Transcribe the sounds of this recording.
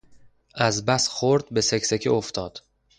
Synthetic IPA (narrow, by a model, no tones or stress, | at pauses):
ʔæzbæsxoɾd̪̚be̞seksecʰioft̪ʰɒːd̪̥